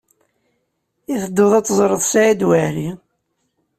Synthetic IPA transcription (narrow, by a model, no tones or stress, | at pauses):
iθəd̪ːʊðˤɑt͡sːəzˤɾˤəðˤsæjid̪wəɾi